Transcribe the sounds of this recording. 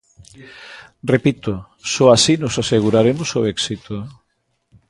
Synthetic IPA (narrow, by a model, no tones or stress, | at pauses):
repit̪o | sɔasinosaseɣ̞uɾaɾemosoɛksit̪o